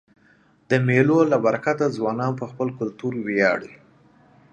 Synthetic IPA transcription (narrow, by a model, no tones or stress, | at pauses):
d̪̥əmelolabaɾakat̪azwɑnɑnpəxpəlkʊlt̪uɾwejɑ̰ɽi